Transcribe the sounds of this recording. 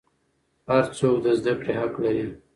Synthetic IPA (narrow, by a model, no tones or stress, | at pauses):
haɾt͡sokd̪əzd̪akɽeɦaklaɾi